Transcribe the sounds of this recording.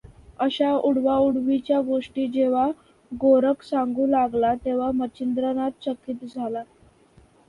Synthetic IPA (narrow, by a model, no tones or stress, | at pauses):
əɕauɽʋauɽʋit͡ɕjaɡoʂʈiːd͡ʑeʋ̤a | ɡoɾəksaŋɡuːlaɡlat̪eʋ̤amət͡ɕind̪ɾənat̪̚t͡ɕəkːiːt̪d͡zʱala